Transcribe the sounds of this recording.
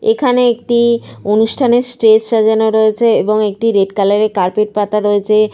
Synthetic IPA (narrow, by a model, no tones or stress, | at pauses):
ekʰaneek̚ʈionuʃʈʰanesʈɾesʃad͡ʑanoɾoet͡ɕʰeeboŋek̚ʈiɾeɖkalaɾekaɾpeʈ̚pat̪aɾoet͡ɕʰe